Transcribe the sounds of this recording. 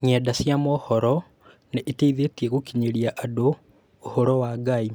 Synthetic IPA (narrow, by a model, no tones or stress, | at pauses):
ɲɛdasjamɔhɔɾɔ | neʔiteiðetieɣukiɲeɾiaʔadoː | hoɾɔwaɡai